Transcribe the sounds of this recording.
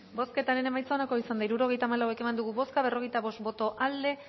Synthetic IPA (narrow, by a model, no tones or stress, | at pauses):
bo̞ske̞t̪aɾe̞ne̞majt͡saonako̞isand̪ajɾuɾo̞ɣe̞jt̪aːmalawe̞ke̞mand̪uɣuβo̞skaβ̞e̞ro̞ɣejt̪aβo̞st̪bo̞t̪o̞ʔald̪e̞